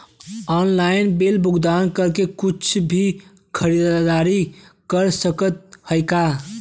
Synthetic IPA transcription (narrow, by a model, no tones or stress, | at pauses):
ɔnlainbelbʱuɡd̪ankəɾkekut͡ʃʰbʱi | kʰəɾid̪d̪aɾikəɾsəkət̪̚həjka